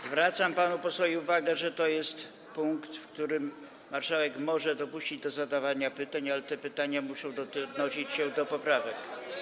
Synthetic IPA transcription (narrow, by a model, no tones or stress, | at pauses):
zvɾat̪sampanupɔsfɔjiuvaɡɛʐɛt̪ɔjɛst̪ | puŋkt̪fkt̪uɾɘmː | aɾʂawɛkmɔʐɛd̪ɔpuɕt͡ɕid͡ʑd̪ɔzad̪avaɲapɘt̪aɲalɛt̪ɛpɘt̪aɲamuʂɔ̃w̃d̪ɔd̪nɔɕit͡ɕɕɛd̪ɔpɔpɾavɛk